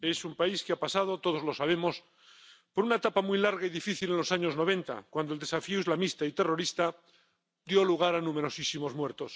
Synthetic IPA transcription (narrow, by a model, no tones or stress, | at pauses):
e̞sumpaiskeapasað̞o̞t̪o̞ð̞o̞zlo̞saβ̞e̞mo̞s | po̞ɾunaet̪apamwilaɾɣaiðifiθile̞nlo̞saɲo̞zno̞β̞ẽ̞nt̪a̰kwand̪old̪e̞safioizlamist̪ait̪e̞ro̞ɾist̪a | d̪jo̞luɣ̞aɾanũme̞ɾo̞sisimo̞zmwe̞ɾt̪o̞s